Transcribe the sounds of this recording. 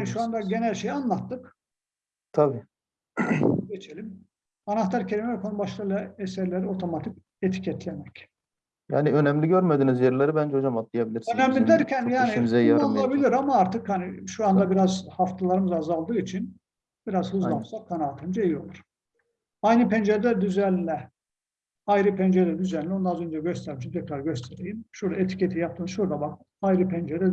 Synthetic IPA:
haniʃuand̪aɟe̞nælʲʃe̞janlˠat̪ːɯk | t̪ʰabi | ɟe̞t͡ʃʰe̞lʲim | anaht̪ʰaɾcʰe̞lʲimɛvɛkʰo̞nubaʃlˠɯjlˠaesæɾlʲe̞ɾio̞t̪ʰo̞mat̪ʰic | et̪ʰi̥cʰɛt̪lʲemɛc | ja̰ːniø̞næmlʲiɟøɾmed̪iːnizjeɾlʲeɾibænd͡ʒɛo̞d͡ʒamat̪̚lˠijabilʲiɾsønæmlʲid̪æɾcʰænjaːnimzɛjaalˠabilʲiɾamaaɾt̪ʰɯkhaniʃuand̪abiɾazhaft̪ʰalˠaɾɯmɯzazalˠd̪ɯːit͡ʃʰin | biɾazhɯzlˠapsakʰːanaːt̪ʰand͡ʒejio̞̰lˠuɾ̥ | ajnɯpɛnd͡ʒelʲæɾd̪yzælʲlʲɛ | ajɾɯpʰɛnd͡ʒelɛd̪yzænlʲio̞nd̪aazø̞nd͡ʒɛɟøst̪ʰæɾmiʃimt̪ʰɛkɾaɾɟø̞st̪ʰeɾejimʃuɾd̪aet̪ʰi̥cʰet̪ʰijap̚t̪ʰɯːmzʃuɾd̪abak̚ | ajɾɯpʰɛnd͡ʒelɛ

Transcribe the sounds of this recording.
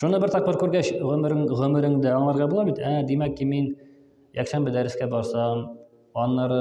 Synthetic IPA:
ʃunɤbɘɾt̪ɒq̚bɤɾkʉɾɡæɕʁɵ̆mɘ̆ɾɘŋʁɵ̆mɘ̆ɾɘŋd̪æɒɴlˠɑɾʁɑbulˠɑbit̪æd̪imækːimin | jækʃænbɘ̆d̪æɾɘ̆skæbɒɾsɑm | ɒnːɑɾɤ

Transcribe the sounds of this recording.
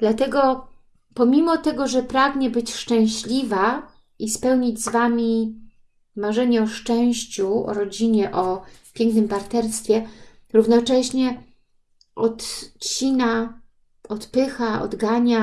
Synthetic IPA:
d̪̥lat̪ɛɡɔ | pɔmʲimɔt̪ɛɡɔʐɛpɾaɡɲɛbɘt͡ɕʂt͡ʂɛ̃w̃ɕlʲiva | ʔispɛwɲid͡ʑzvamʲi | maʐɛɲɛɔʂt͡ʂɛ̃w̃ɕt͡ɕuɔ̰ɾɔd͡ʑiɲɛʔɔpʲjɛŋknɘmpaɾt̪ɛɾst̪fʲjɛɾuvnɔt͡ʂɛɕɲɛ | ʔɔt̪t͡ɕina | ɔt̪pɘxaɔ̰d̪ɡaɲa

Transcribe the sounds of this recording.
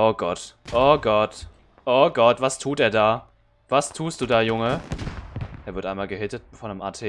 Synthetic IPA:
ʔoːɡɔtʔoːɡɔt | ʔoːɡɔtv̥astʰuːteːɐdaː | v̥astʰuːstd̥uːdaːjʊŋə | ʔeːɐvɪɐtʔaɪnmaːlɡəɦʏtətfɔnəmʔa̰tʰeː

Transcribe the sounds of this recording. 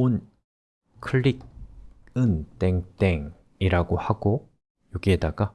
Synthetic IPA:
on | kʰɯɭːik̚ | ɯnt͈eŋt͈eŋ | iɾaɡohaɡo | joɡiedaɡa

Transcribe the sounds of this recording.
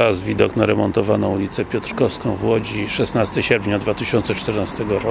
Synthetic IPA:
azvʲid̪ɔknaɾɛmɔnt̪ɔvanɔ̃w̃ulʲit̪sɛpʲjɔt̪ɾkɔfskɔ̃w̃vwɔd͡ʑiʂɛsnast̪ɘɕɛɾpʲɲad̪vat̪ɘɕɔnt̪sɛt͡ʂt̪ɛɾnast̪ɛɡɔɾɔ

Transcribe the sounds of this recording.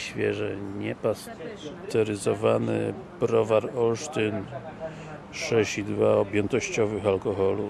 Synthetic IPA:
ɕfʲjɛ̰ʐɛɲɛpas | t̪ɛɾɘzɔvanɘ̰ | bɾɔvaɾɔlʂt̪ɘn | ʂɛɕid̪vaɔbʲjɛnt̪ɔɕt͡ɕɔvɘxalkɔxɔlu

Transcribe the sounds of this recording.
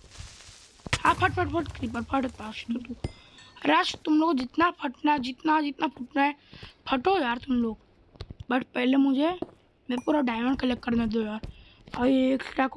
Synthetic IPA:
haːpʰəʈ̚pʰəʈpʰəʈkɾip̬əɾpʰəʈt̪aʃt̪ut̪u | ɾaʃt̪umloːkod͡ʒɪt̪napʰəʈnad͡ʒit̪nad͡ʒit̪napʰəʈnaepʰəʈojaːɾt̪ʊmloːk | bəʈʰpɛɦlemũd͡ʒʱe | mepuːɾaɖaːjməɳɖkəlekːəɾnad̪ojaːɾ | əieksʈak

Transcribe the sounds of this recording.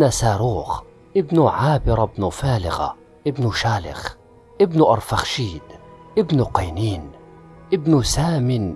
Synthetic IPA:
nasaːɾˤuːx | ʔɪbnuʕaːbɪɾˤbnufaːlɪ̰ɣa̰ | ʔɪbnuʃaːlɪ̰x | ʔɪbnʔɑɾˤfaxʃiːd̪ʔɪbnʊqɑjniːn | ʔɪbnʊsaːmɪn

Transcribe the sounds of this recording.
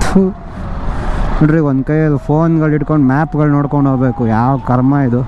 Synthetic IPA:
u | oɖɾiond̪kɐjɐd̪upʰoːnɡɐɭiʈkoɳɖmaːpɡɐɭnoːɽkoɳɖɦoːbe̞ːkujaːʋkɐɾmaid̪u

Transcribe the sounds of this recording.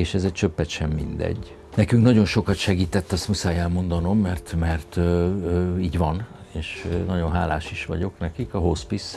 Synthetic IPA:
eːʃɛzɛct͡ʃø̞pːɛt̪ʃɛmːḭnd̪ɛ̰ɟː | nɛkyŋknɒɟo̞nʃo̞kɒt̪ʃɛɡiːt̪ɛt̪ːɒst̪musaːjɛlmo̞nd̪ɒno̞mːɛrt̪mɛrt̪ː | iːɟʋɒneːʃnɒɟo̞nɦaːlaːʃiʃʋɒ̰ɟo̞knɛkikɒɦospis

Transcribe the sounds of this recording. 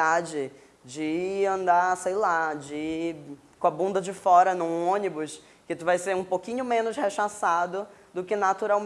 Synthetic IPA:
ad͡ʒɪ | d͡ʒɪɐ̃nd̪asejlad͡ʒɪ | kõɐbũnd̪ɐd͡ʒɪfɔɾɐnũõnibʊs | kɪt̪uvajseɾũpokĩɲʊmẽnʊsheʃasad̪ʊd̪ʊkɪnat̪uɾawm

